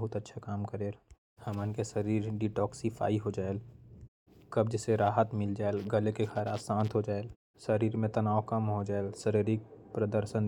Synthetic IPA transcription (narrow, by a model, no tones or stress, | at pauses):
ɦʊt̪ətːʃʰakaːmkəɾeːl | həmənkesəɾiːɾɖiʈɔːksifʰa̰ːiɦod͡ʒaːel | kɐb̚d͡ʒɪseɾaːɦət̪mɪld͡ʒaːelɡəlekekʰaːɾaːsãːnt̪ʰɦod͡ʒaːel | səɾiːɾmẽt̪ɐnaːokɐmɦod͡ʒaːelsəɾiːɾik̚pɾəd̪əɾʃən